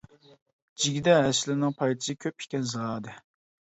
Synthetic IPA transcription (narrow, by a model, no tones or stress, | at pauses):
d͡ʒiɡʲid̪ɛɦɛslɪnɨŋpʰɑjt̪ʰɨ̥sɨkʲʰøpi̥kʲɛnzɨʁɑːd̪ɨ